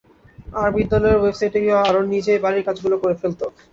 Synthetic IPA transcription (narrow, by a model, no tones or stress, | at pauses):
aɾbid̪ːɔlɔeɾwebsajʈeɡewaaɾonːid͡ʑebaɾiɾkad͡ʑɡulokoɾefelt̪o